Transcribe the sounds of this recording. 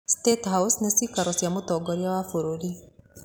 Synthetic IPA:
stethawsnesikaɾosjamutɔɡɔɾjawafuɾuɾi

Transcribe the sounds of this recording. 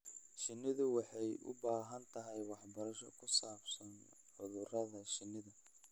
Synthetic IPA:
ʃɪnːɪðʊwɑħɑjʔʊ̰baːɦɐnt̪ʰɐɦɛjwɑħbɐɾɐʃɔkʰʊsaːbsɐn | ʕʊðʊrɐðɐʃɪnːɪðɐ

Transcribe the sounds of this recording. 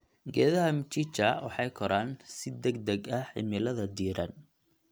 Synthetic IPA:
ɡɛːðɐɦɐmt͡ʃɪt͡ʃɐwɑħɑjkʰɔɾaːnsɪd̪ɐɡd̪ɛɡɐħɪ̰mɪlɐðɐd̪iːɾɐn

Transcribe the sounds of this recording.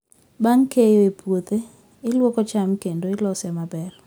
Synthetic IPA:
baŋkejoepʰwot̪e | ɪlwokɔt͡ʃamkendoɪlɔsɛmabɛr

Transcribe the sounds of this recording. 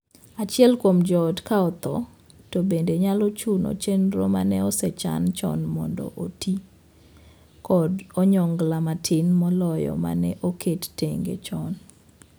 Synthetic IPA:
at͡ʃɪɛlkwomd͡ʒɔdkaɔt̪ɔ | tobendeɲalɔt͡ʃunɔ̰t͡ʃenɾɔ̰ma̰nɛɔsɛt͡ʃa̰nt͡ʃɔ̰nmɔ̰ndɔ̰ʔoti | kɔdɔɲɔŋɡlamatʰɪnmɔlɔjɔ̰ma̰nɛʔokʰetteŋɡḛt͡ʃɔn

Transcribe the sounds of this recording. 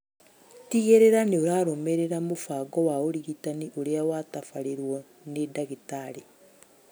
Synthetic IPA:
tiɣeɾeɾaneoɾaːɾomeɾeɾamofaɡɔwaoɾiɣitaniʔoɾeawatafaɾeɾwɔ | nedaɣitaɾi

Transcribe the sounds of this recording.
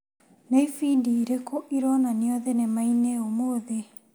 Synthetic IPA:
neifiːdiɾekoʔiɾɔnaniɔðɛnemaineomoðe

